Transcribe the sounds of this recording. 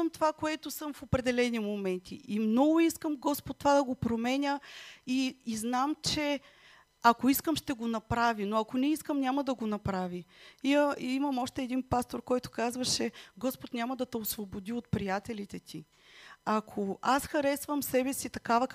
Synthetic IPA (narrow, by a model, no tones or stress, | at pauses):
mt̪ovakoɛt̪ʊsɤmfopɾɛd̪ɛlɛnimomɛnt̪ʰiʔimnɔɡʊiskəmɡɔspot̪ːovad̪ɐɡopɾomɛnʲəiːznamt͡ʃɛ | ɐkoiskəmʃt̪ɛɡonɐpɾavinoɐkonɛiskəmnʲaməd̪ɐɡonɐpɾaviiiməmɔʃt̪ɛːd̪inpast̪oɾkɔjt̪ʊ̥kazvəʃɛɡɔspot̪nʲamɐd̪ɐt̪ɛosvobod̪iot̪pɾijat̪ɛlit̪ɛt̪ʰi | akʰoasxɐɾɛsvəmsɛbɛsit̪ɐkavə